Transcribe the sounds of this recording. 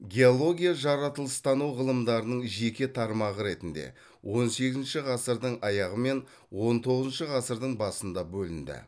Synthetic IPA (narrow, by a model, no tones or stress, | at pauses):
ɡʲe̞olˠo̞ɡʲijaʒɑɾɑt̪əlˠəst̪ɑnuwʁəlˠəmd̪ɑɾənəɴʒe̞kʲe̞t̪ʰɑɾmɑʁəɾe̞t̪ɪnd̪e̞̰ | wʔo̞nse̞ɡʲɪzɪnʃɪʁɑsəɾd̪əɴɑjɑʁəme̞n | wo̞nt̪ʰo̞ʁəzənʃəʁɑsəɾd̪əɴbɑsənd̪ɑbɵlɪnd̪ɪ̰